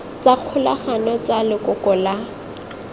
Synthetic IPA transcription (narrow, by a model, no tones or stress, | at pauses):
t͡saq͡χʰʊlaχanɔt͡salɪkʊkɔla